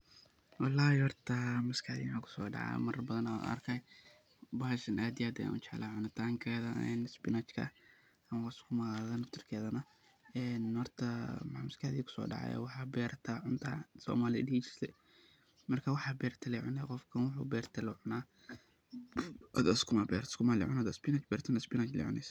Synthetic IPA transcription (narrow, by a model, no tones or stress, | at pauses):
wɑlːaːhɪhɔrt̪ʰɐmʊskʰaʕðinakʰʊ̥sɔːɖɑ̰ʕa̰mɐrbɐðɐnaʔɐ̰rkʰɐj | baːʃɐnʔaːd̪ɪjaːd̪ɛ̰t͡ʃɛʕlaʕʊnɐt̪ʰaːŋkʰɛːðɐɛ̰ːnspɪnat͡ʃkʰɐ̰ | ɐmɐwaskʰʊmɐɣaðɐnɐft̪ʰɪrkʰɛːðɐnɐ | ɛːnhɔrt̪ʰɐmaʕmʊskʰaðiːkʰʊ̥sɔ̰ːɖɑ̰ʕa̰jɛ̰wɑħabɛːɾɐt̪ʰaʕʊnt̪ʰaːsɔ̰ːmaːlɪ̰dit͡ʃɪ̥slɛ̰ | mɐrkʰawɑħabɛːɾt̪ʰɐlɛʕʊnɛqɔfkʰɐnwʊħṵːbɛːɾt̪ʰɐlɪʕʊnaː | ɔ̰d̪ɐskʰʊmabɛ̰ɾskʊmalɪ̰ʕʊnad̪ɐspɪnɐt͡ʃbɛːɾt̪ʰɐnɐspɪnat͡ʃlɛ̰ʕʊ̰nɛ̰s